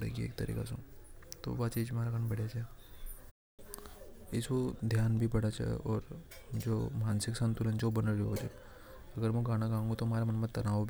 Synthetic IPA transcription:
ɽḛɡiḛːk̚t̪ɐɾḭːka̰sõt̪o̰ʋaːt͡ʃiːd͡ʒmaːɾaɡañbɐɽ̤jat͡ʃa | ɪsʋod̪ʱjaːnbʱibɐɽat͡ʃʰa̰ʔɔːɾd͡ʒoːmaːnsɪksɐ̃nt̪ulə̃nd͡ʒoobɐnəɾɾiɦod͡ʒḛ | ɐɡəɾmɛ̃ɡaːɽ̃aɡãːŋɡõt̪omaːɾemɐnmɐ̃t̪ɐnaːʋbʱ

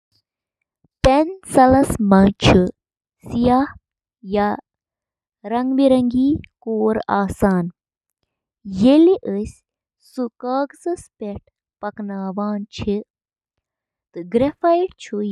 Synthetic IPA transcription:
tensɐlɐsmɐt͡ʃʰu | sijah | ja | ɾɐŋɡbiɾɐŋɡiːkoːɾaːsaːn | jeliʔəsʲ | sukaːkzɨspeʈ̚ʰ | pɐknaːʋaːnt͡ʃʰi | t̪ɨɡɾefɐjʈt͡ʃʰu

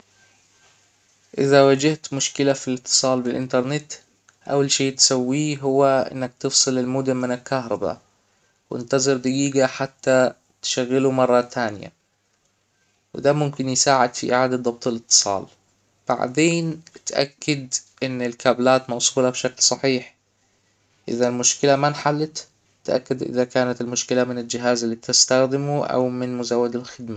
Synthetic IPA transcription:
ʔɪðawad͡ʒɪht̪mʊʃkɪlafilɪt̪ːɨ̥sˤɑːlbɪlʔɪ̰nt̪ɑɾˤnɪt̪ | ʔa̰walʃeːt̪sawːiːɦʊwːaʔɪ̰nːak̚t̪ɨfsˤɨlɪlmʊd̪ʊmɪnɪlkahɾˤɑba̰ | wɪ̰nt̪ɑzˤɨɾd̪aɡiːɡaħat̪ːa | t̪ʃaɣːɪlumɑrˤːɑt̪ʰːaːnɪja̰ | wɪ̰d̪aːmʊmkɪnjɪsaːʕɪd̪fiʔɪ̰ʕaːd̪ad̪ˤɑb̚t̪ˤɪlɨt̪ːɨ̥sˤɑ̰ːl | b̥a̰ʕd̪eːnt̪ʔa̰kːad̪ʔɪnːɪlkʰaːblaːt̪mɑwsˤuːlabʃaklsˤɑħiːħ | ʔɪ̰ðalmʊʃkɪlamanħalːɪt̪ | t̪ʔa̰kːad̪ʔɪ̰ðakaːnat̪ɪlmʊʃkɪlamɪnɪld͡ʒɪɦaːzɪlːiːt̪ɪst̪axd̪ɪmuʔa̰wmɪnmʊzawːad̪alxɪd̪ma

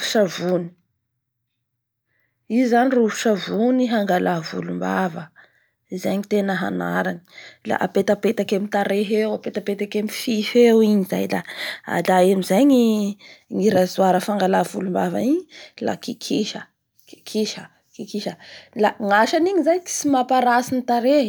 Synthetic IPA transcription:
fi̥ʃavuni̥ | izanirufu̥ʃavuniɦaŋɡalavṵlumba̰və | izaɲit̪enəɦa̰na̰ɾanila̰ʔa̰pet̪apet̪akemit̪aɾeɦewapet̪apet̪akemififewiɲiza̰jla̰a̰laemizajɲi | ŋiɾazuaɾəfaŋɡalavulumbavaiɲila̰kikʰiʃə | ki̥kʰiʃə | kikiʃəlaŋaʃaniɲizajki̥simapaɾasinit̪aɾe

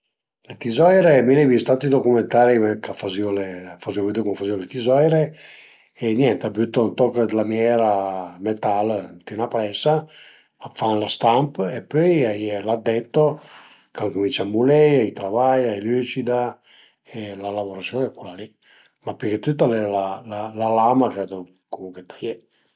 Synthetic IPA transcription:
let̪izɔjɾemilɛvist̪at̪id̪okument̪aːɾikafaziolefaziovid̪ekumafaziolet̪izɔjɾe | enjɛnt̪abyt̪ːont̪ɔkd̪lamjɛɾamet̪alnt̪inapɾɛsaː | fanlast̪ampepːøjajelad̪ːɛt̪ːo | kaŋkumint͡ʃamːulɛjajt̪ɾavajajlyt͡ʃid̪a | elalavoɾasjɔnɛkːulali | mapːeket̪yt̪̬ːalɛlalalalamakad̪ɔ | komuŋket̪aje

